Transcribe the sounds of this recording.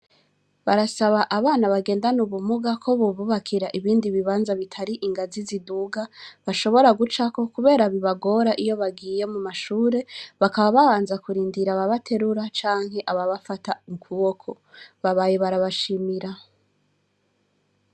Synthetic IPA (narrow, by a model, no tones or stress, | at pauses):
βaɾasaβaʔaβaːnaβaɡe̞ːndanuβumuɡakʰo̞βuβuβakʰiɾaʔiβiːndiβiβaːnzaβitʰaɾiʔiŋɡaziziduɡaβaʃo̞βo̞ɾaɡut͡ʃako̞kuβe̞ːɾaβiβaɡo̞ɾaʔijo̞βaɡiːje̞mumaʃuːɾe̞βakaβaβaβaːnzakuɾiːndiɾaβaβatʰe̞ɾuɾat͡ʃaːŋ̥ɦe̞ʔaβaβafataiŋkʰuβokʰo̞ | βaβajeβaɾaβaʃimiɾa